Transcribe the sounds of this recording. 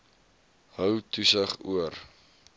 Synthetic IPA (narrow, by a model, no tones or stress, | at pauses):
ɦœwtusəχuər